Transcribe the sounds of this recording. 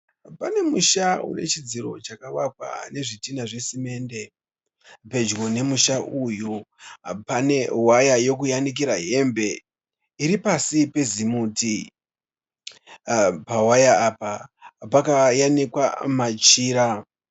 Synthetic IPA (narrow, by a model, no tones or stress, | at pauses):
pane̞muʃaṵne̞̰t͡ʃid͡ziɾo̞t͡ʃakawakwa̰ne̞ʐitinaʐe̞sime̞ːnde̞ | pe̞d͡ʒɡo̞ne̞muʃaʔuju | pane̞wajajo̞kujanik̬iɾaɦe̞mbe̞ | iɾipasipe̞zimuːti | pawajaːpapakajanikwa̰mat͡ʃiːɾa